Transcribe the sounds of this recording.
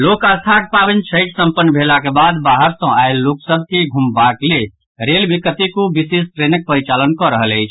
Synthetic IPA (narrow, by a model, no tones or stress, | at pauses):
lokast̪ʰak̚pabint͡ʃʰəɪʈsəmpənːbʱelakebad̪baɦəɾsɔ̃aelːoksəbʱkeɡʱumbakle | ɾelbʱikət̪ikubisessɾenək̚pəɾit͡ʃalənkɔɾəɦələɪt͡ʃʰ